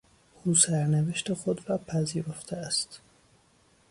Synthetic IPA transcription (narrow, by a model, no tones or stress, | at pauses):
ʔuːsæɾneveʃt̪exod̪ɾɒːpʰæziːɾo̞ft̪ʰeæst̪